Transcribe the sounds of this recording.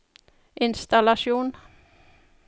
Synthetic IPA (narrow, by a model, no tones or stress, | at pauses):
ʔɪnst̪alaʂuːn